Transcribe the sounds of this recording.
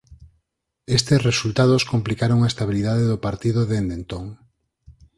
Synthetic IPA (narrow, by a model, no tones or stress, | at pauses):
est̪esresult̪aðoskomplikaɾoŋaest̪aβiliðaðeðopaɾt̪iðoðend̪ent̪oŋ